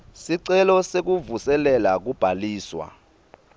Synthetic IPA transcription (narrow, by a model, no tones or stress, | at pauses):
siǀɛlɔsek̬uvusɛlɛlak̬ub̥ʱaliːswa̰